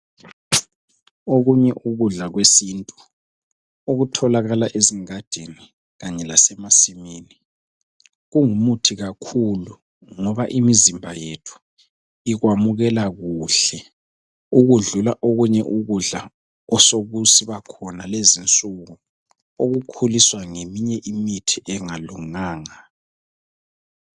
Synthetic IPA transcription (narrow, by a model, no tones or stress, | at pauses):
oɣuɲɛʔuɣuɮaɣwesiːntʼu | oɣutʰɔlaɣalaʔeziŋad̥ʱeni | ɣaɲɛlasɛmasimiːni | ɣuŋumutʰiɣakʰulu | ŋɔβaʔimizimbʱajetʰu̥ | iɣwamuɣɛlaɣuːɬɛ | uɣuɮulaʔoɣuɲɛʔuɣuɮa | ɔsoɣusiβakʰɔnalezint͡sʼuɣu | oɣukʰuliswaŋemiɲɛʔimitʰiʔɛŋaluŋaːŋa